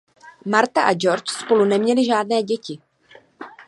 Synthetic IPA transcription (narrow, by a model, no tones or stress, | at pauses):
maɾt̪aʔad͡ʒo̞ɾt͡ʃspo̞lunɛmɲɛlɪʒaːdnɛːɟɛcɪ